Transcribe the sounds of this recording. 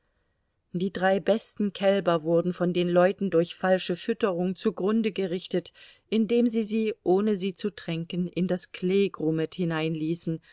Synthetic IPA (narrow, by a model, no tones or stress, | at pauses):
d̥iːdʁaɪbɛstn̩kʰɛlbɐvʊɐdn̩fɔndeːnlɔʏtn̩dʊɐçfalʃəfʏtəʁʊŋt͡suɡʁʊndəɡəʁɪçtət | ʔɪndeːmziːziːʔoːnəziːt͡sutʁ̥ɛŋkənʔɪndaskʰl̥eːɡʁʊməthɪnaɪnliːsn̩